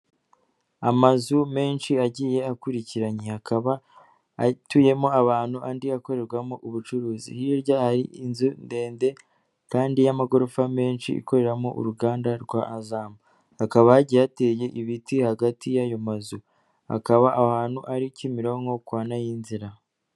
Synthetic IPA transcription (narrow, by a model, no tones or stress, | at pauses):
amazume̞ːnʃiaɟiːje̞akuɾiciɾaɲehakaβa | tuje̞mo̞aβaːn̥huʔandiako̞ɾe̞ɾɡwamoʔuβut͡ʃuɾuːzḭhiɾɟahaɾḭinzunde̞ːnde̞ | kaːndijamaɡo̞ɾofame̞ːnʃḭḭko̞ɾe̞ɾamoʔṵɾuɡaːndaɾɡwaʔːzaːma | hakaβaaɟijate̞ːje̞ʔiβitihaɡatʰijajo̞mazu | ha̰kaβaʔahaːn̥huʔaɾicimiɾo̞ŋɡo̞kwaːnajinziɾa